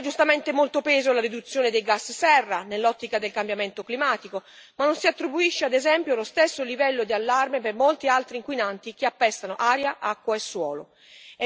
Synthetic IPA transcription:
d͡ʒust̪ament̪emolt̪opɛːzolaɾid̪ut̪sːjoːned̪ejɡasːsɛrːanelːɔt̪ːikad̪elkambjament̪oklimaːt̪iko | manːonsiat̪ːɾibuiʃːead̪ezɛmpjolost̪ɛsːolivɛlːod̪ialːarmepermolt̪ialt̪ɾiːŋkwinant̪ik̟iapːɛst̪anoʔaːɾjaʔakːwaesːwɔːlo

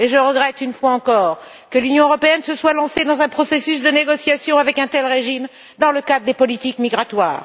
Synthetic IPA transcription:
eʒəʁəɡʁɛt̪ynfwaɑ̃kɔːʁ | kəlynjɔ̃øʁɔpeɛnsəswalɑ̃sed̪ɑ̃zɛ̃pχɔsesysd̪əneɡɔsjasjɔ̃avɛkɛ̃t̪ɛlʁeʒim | d̪ɑ̃ləkad̪ʁəd̪epɔlit̪ikmiɡʁat̪wa̰ːʁ

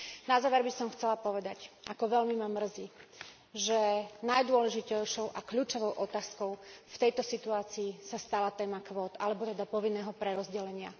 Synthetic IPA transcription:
nazaːʋɛɾbisɔmxt͡sɛlapɔʋɛd̪acʔakɔʋɛlmimamr̩zi | ʒɛnajd̪ʊɔlɛʒicɛjʃɔʊʔakʎuːt͡ʃɔʋɔʊʔɔt̪aːskɔʊft̪ɛjt̪ɔsit̪uaːt͡siːsast̪alat̪ɛːmakʋɔːt̪alɛbɔt̪ɛd̪apɔʋinːɛːɦɔpɾɛɾɔzɟɛlɛɲɪa̰

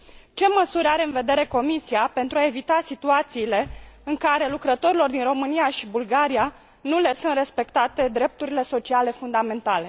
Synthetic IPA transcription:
t͡ʃe̞məsuɾʲaɾe̞ɨnve̞d̪e̞ɾe̞ko̞misiape̞nt̪ɾuae̞vit̪asit̪uat̪siːle̞ɨŋkaɾe̞lukɾət̪o̞ɾilo̞rd̪inro̞mɨniaʃibulɡaɾia | nule̞sɨnt̪re̞spe̞kt̪at̪e̞d̪ɾe̞p̚t̪uɾile̞so̞t͡ʃiale̞fund̪ame̞nt̪ale̞

